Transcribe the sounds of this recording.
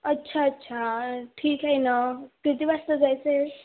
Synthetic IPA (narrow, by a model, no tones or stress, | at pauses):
ʌtːsʰaːtːsʰaʈʰikɦajnʌkit̪ibast̪od͡zajse